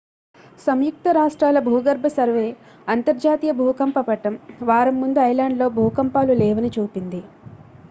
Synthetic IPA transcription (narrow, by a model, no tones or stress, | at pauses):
sɐmjuk̚t̪ɐɾaːʂʈɾaːlɐbʱuːɡɐɾbʱɐsɐɾʋeː | ɐnt̪ɐɾd͡ʒaːt̪ijɐbʱuːkɐmpɐpɐʈɐmʋaːɾɐmːund̪uɐjlaːɳɖlo̞ːbʱuːkɐmpaːlulɛːʋɐnit͡ʃuːpind̪i